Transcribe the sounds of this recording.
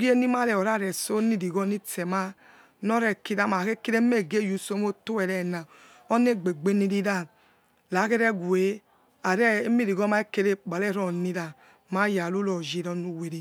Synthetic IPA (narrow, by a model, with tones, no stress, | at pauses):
ɡi˦e˦ni˦ma˦lɛ˨o˨ɾa˦˨ɾɛ˨so˦ni˦di˨ɡɔ˦ni˦tɛ˨ma˦ | nɔ˦ɾɛ˦ki˧da˦ma˨ke˦ke˦ɾe˦me˦˨ɡe˦˨ju˨so˦mo˦to˦ɛ˨ɾɛ˨na˨ | o˦ne˦˨ɡ͡be˨ɡ͡be˦ni˧ɾi˧da˦˨ | la˨˦ke˦ɾɛ˦ɡu˨e˨˦ | a˨ɾɛ˦mi˦ɾi˨ɡɔ˦ma˦e˦ke˦˧ɾe˦k͡pa˨lɛ˦˨ɾɔ˦˨ni˧da˨ | ma˦ja˨lu˦lɔ˨d͡ʒi˨˧˨ɾɔ˧˦nu˧we˨ɾi˨